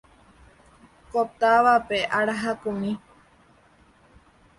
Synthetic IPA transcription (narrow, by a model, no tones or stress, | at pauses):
kop̚t̪aʋapeʔaɾaɦakumĩ